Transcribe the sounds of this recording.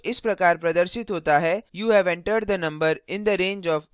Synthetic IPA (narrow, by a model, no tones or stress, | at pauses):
ɪspɾɐkaːɾpɾɐd̪əɾʃɪt̪ɦoːt̪aɦɛjuːɦɛʋɛ̃ɳʈəɾɖ̚d̪ənɐ̃mbəɾɪ̃nd̪əɾẽːnd͡ʒɔːʋ